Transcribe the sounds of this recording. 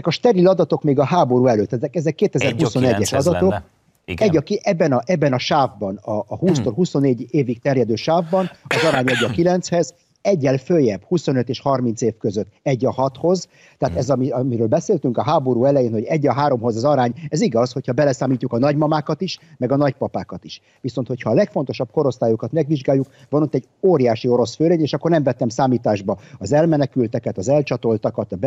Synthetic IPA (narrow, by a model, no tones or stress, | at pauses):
ɛkɒʃt̪ɛɾilɒd̪ɒt̪o̞kmeːɡɒɦaːbo̞ɾuːɛløːt̪ːɛzɛkɛzɛkːeːt̪ɛzɛrhuso̞nɛɟːɛʃɒd̪ɒt̪ok | ɛɟːɒkɛbːɛnɒʔɛbːɛnɒʃaːvbɒnɒːhuːst̪olɦuso̞nːeːɟeːvik̚t̪ɛrjɛd̪øːʃaːvbɒnɒzɒɾaːɲɛɟːɒkilɛnt̪shɛz | ɛɟːɛlføjɛb̥huso̞nøt̪eːʃhɒrmint̪seːfkøzøt̪ːɛɟːɒhɒt̪ho̞z | t̪ɛaːt̪ɛzɒmiɒmiɾøːlbɛseːlt̪yŋkɒɦaːbo̞ɾuːɛlɛjeːnho̞ɟɛɟːɒɦaːɾo̞mɦo̞zɒzɒɾaːɲɛziɡɒsho̞chɒbɛlɛsaːmiːcːukɒnɒɟmɒmaːkɒt̪iʃmɛɡɒnɒcpɒpaːkɒt̪iʃ | ʋiso̞nt̪ho̞cʰhɒːlɛkfo̞nt̪o̞ʃɒb̚ko̞ɾo̞st̪aːjokɒt̪mɛɡʋiʒɡaːjːukvɒnot̪ːɛɟ | oːɾijaːʃio̞ɾo̞sføːleːɲeːʃɒkːo̞rnɛɱvɛt̪ːɛmsaːmiːt̪aːʒbɒɒzɛlmɛnɛkylt̪ɛkɛt̪ɒzɛlt͡ʃɒt̪o̞lt̪ɒkɒt̪ɒb